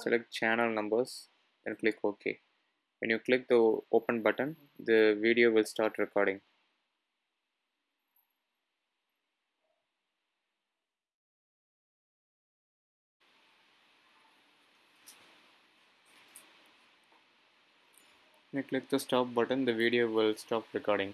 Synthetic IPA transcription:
sɛ̰lʔɛk̚ʈ̚t͡ʃænəlnʌ̃mbəɾs | ɛ̃nklɪkʰoːkʰḛː | ʋɛ̰̃njuːklɪk̚d̪əoːpə̃nbʌʈə̃n | d̪əʋiɖioːʋɪlsʈaːɾʈɾɛkɔːɖɪ̃ŋ | ʋɛ̃njuːklɪk̚d̪əsʈɔːp̚bʌʈə̃nd̪əʋiːɖioːʋɪlsʈɔːpɾɪkɔːɾɖɪ̃ŋ

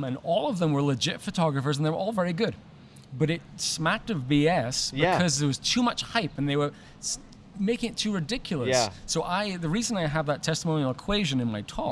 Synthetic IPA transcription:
ə̃nɔlˠʌvðə̃mwə˞lˠəd͡ʒɪtfɨtʰɔɡɹəfə˞z̃n̩ðəwə˞ʔɔlˠvɛɹiɡʊd̚ | bʌɾɪt̚smæk̚tʌvbiɛsb̥ɪkʰʌzɨt̚wʌz̥tʰʉmʌt͡ʃhaɪpɨ̃n̩ðeɪwə˞ | meɪkɪ̃ŋɨtʰːʉɹɨdɪkjl̩ˠəjssoʊʔaɪðɨɹizə̃naɪəvðətʰɛstəmõʊnil̩ˠəkʰw̥eɪʒɨ̃nɨ̃nmaɪtʰɔ

